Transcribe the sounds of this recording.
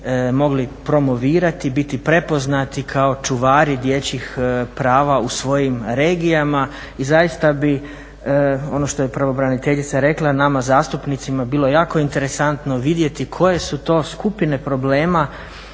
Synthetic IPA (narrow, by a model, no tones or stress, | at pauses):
mo̞ɡlipɾo̞mo̞ʋiːɾat̪ibit̪ipɾe̞po̞znat̪ikʰao̞t͡ʃuʋaːɾid̪jet͡ɕixpɾaːʋausʋo̞jimɾeːɡijama | izajist̪abi | o̞noʃt̪o̞je̞pɾʋo̞bɾanit̪e̞ʎit̪saɾe̞klˠanamazaːst̪upnit̪simabiːlojaːko̞int̪e̞ɾesant̪no̞ʋid̪je̞t̪ikʰo̞je̞sut̪o̞ːskupine̞pɾo̞ble̞ːma